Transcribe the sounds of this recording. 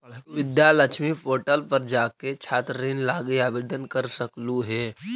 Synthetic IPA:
ʋɪd̪jalət͡ʃʰmipoːʈəlpəɾd͡ʒaːket͡ʃʰaːt̪ɾeːnlaːɡeaːbeːd̪ənkəɾsəkluɦɛː

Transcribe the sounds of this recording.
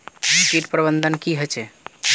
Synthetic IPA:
bikiʈpɾəbənd̪ʱənkiɦot͡ʃɛ

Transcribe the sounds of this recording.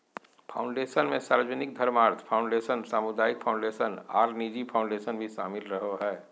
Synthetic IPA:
pʰa̰ːʊ̃ɳɖeːsənmẽsaːɾd͡ʒənɪk̚d̪ʱɐɾmaːɾt̪ʰpʰaːʊ̃ɳɖeːʃənsaːmʊd̪aːɪk̚pʰaʊ̃ɳɖeːsəna̰ːɾnid͡ʒipʰaːʊ̃ɳɖeːsənbʱiʃa̰ːmɪlɾəɦoɦɛː

